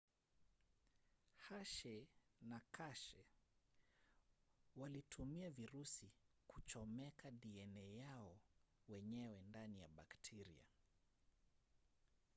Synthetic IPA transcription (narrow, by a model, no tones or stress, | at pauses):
haʃɛnakʰaʃɛ | walitʰumiaviɾusikut͡ʃɔmɛkʰaɗiɛnɛjaɔwɛɲɛwɛndanijaɓaktʰɛɾia̰